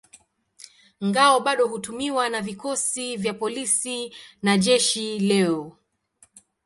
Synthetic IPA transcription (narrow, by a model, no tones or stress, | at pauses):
ŋɡaɔɓaɗɔɦutumiwanavikɔsivjapɔlisinaʄɛʃilɛɔ